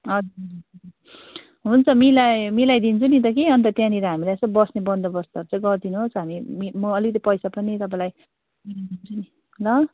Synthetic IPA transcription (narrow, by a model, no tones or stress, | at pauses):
ʌd͡zuʌ | ɦunt͡sʰʌmilajmilajd̪int͡sʰunit̪̬ʌk̬eʌnt̪ʌt̪jãniɾʌɦamilajest̪ʌbʌsnebʌnd̪ʌbʌst̪aɾut͡sʌĩɡʌrd̪inuɦosɦamimimʌːlikt̪ipʌjsapʌnit̪ʌpãlaj | minid̪int͡sʰuni | lʌ